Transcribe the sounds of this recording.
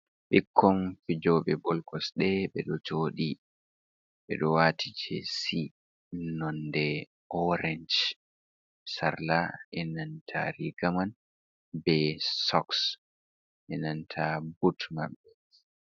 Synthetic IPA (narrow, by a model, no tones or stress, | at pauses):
ɓikʰːɔnfid͡ʒɔːɓɛbɔlkɔsɗɛɓɛɗɔt͡ʃoːɗi | ɓɛ̰ɗɔwaːtʰid͡ʒɛ̰si | nɔndɛ | ɔɾɛɲd͡ʒ | sa̰ɾlaʔɛnantʰa̰ɾiɡaman | bɛsɔks | ʔɛnantʰabutma̰ɓːɛ